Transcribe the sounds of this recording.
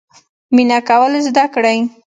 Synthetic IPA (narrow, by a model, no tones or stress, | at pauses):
minakawəlzd̪akɽaj